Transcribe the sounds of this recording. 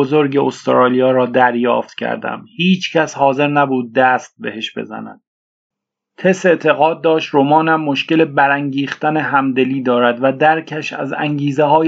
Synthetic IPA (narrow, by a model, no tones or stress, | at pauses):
ozoɾɟeost̪ɾɒːlijɒːɾɒːd̪æɾjɒ̰ːft̪cʲʰæ̰ɾd̪æ̰mhiːt͡ʃʰcʰæshɒːze̞ɾnæbuːd̪̚ːæst̪̚be̞he̞ʃb̥ḛzæ̰næ̰d̪̥̚ | t̪ʰese̞ʔt̪ʰe̞ɣɒːd̪̚ːɒːʃt̪ɾomɒːnæmːoʃce̞le̞bæɾæŋɟiːχt̪æneɦæmd̪e̞liːd̪ɒːɾæd̪væd̪æɾcʰæʃæ̰zæ̰ŋɟiːzeɦɒː